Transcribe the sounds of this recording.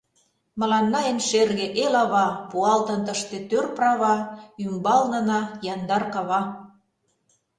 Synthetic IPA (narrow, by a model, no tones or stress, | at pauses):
mə̆lɑnːɑjenʃerɣeʔelɑβɑpuɑlt̪ə̆nt̪əʃt̪et̪ørprɑβɑymbɑlnɤ̆nɑjɑnd̪ɑrkɑβɑ